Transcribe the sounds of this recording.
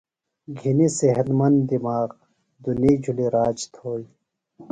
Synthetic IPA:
ɡʱiniseɦɐd̪mɐnd̪d̪imaːɣ | d̪unid͡ʑʱuliɾaːd͡ʑt̪ʰoːji

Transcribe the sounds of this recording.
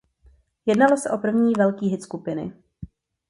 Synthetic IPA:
jɛdnalo̞sɛʔo̞pr̩vɲiːvɛlkiːɦɪt̪skupɪnɪ̰

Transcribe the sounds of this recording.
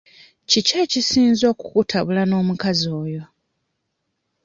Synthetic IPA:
cicecisiːnzo̞ːkukutʰaβulano̞ːmukazo̞ːjo̞

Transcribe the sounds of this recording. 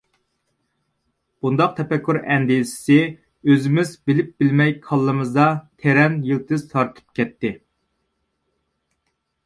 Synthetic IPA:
b̥und̪ɑq̚t̪ʰɛpɛkʲʰːyɾɛnd̪isɪ̥sɪ | øzɪmɪzbɪlɪp̚bɪlmɛjkʰɑlˠːɨmɨzd̪ɑt̪ʰeɾɛnjilˠt̪ʰɨzt̪ʰɑɾt̪ʰɨ̥p̚kʲɛt̪ʰːɪ

